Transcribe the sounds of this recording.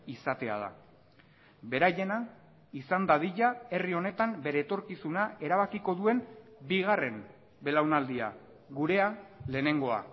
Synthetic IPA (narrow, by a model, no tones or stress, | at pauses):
isat̪e̞a̰ð̞a̰ | be̞ɾaje̞na | isand̪aðiʎae̞rio̞ne̞t̪ambe̞ɾe̞ːt̪o̞ɾkisunae̞ɾaβakiko̞ðue̞mbiɣare̞m | be̞lawnald̪ia̰ | ɣuɾe̞ale̞ːne̞ŋɡo̞a̰